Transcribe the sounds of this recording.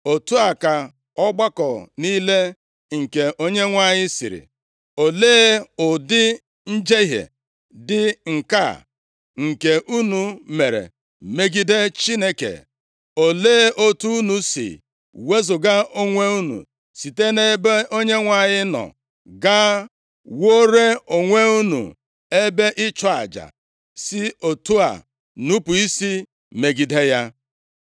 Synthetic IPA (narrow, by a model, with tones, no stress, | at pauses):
o˨tu˦a˨ka˨ | ɔ˦ɡ͡ba˦kɔ˨niː˦le˦ | ŋ̩˨ke˨ʔo˦ɲe˦ŋʷa˦ɲɪ˦sḭ˨ɾḭ˨ | o˨leː˦ʊ˨dɪ˦ | n̩˦d͡ʒe˦ɦḛ˨ | dɪ˦ŋ̩˨ka̰˦˨ | ŋ̩˨ke˨ʔu˦nu˨me˨ɾḛ˨ | me˦ɡi˦de˦t͡ʃi˦ne˦kḛ˨ | o˨leː˦ʔo˦tu˦u˦nu˨sḭ˨ | we˦zʊ˨ɡa˦o˦ŋʷe˦u˦nṵ˨ | si˨te˦ne˦be˦o˦ɲe˦ŋʷa˨ɲɪ˦nɔ̰˨ | ɡa˦ | wo˦ɾe˦o˨ŋʷe˦u˦nṵ˨ | e˦be˦ʔɪ˦t͡ʃɔ˦a̰˨d͡ʒa̰˨ | sɪ˦o˨tu˦a̰˨ | nu˦pu˨i˦si˦ | me˨ɡi˨de˦ja˦